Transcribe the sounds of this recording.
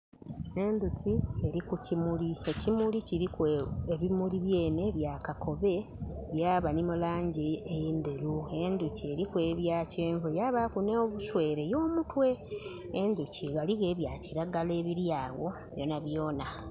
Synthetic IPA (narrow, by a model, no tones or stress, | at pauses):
e̞nd̪ucie̞ɾikucimulie̞cimuliciɾikeβimuliβje̞ːne̞βjaːkakʰo̞βe̞ | βjaːβanimulaːɲɟeejend̪elue̞nd̪ucie̞ɾikwe̞βjaːce̞ːɱvujaβakuneoβuswe̞ːɾe̞joːmutwe̞ː | nd̪uciɣaliɣe̞ːβjaːciɾaɡale̞ːβiɾjaːɣo̞ | βjo̞ːnaβjo̞ːna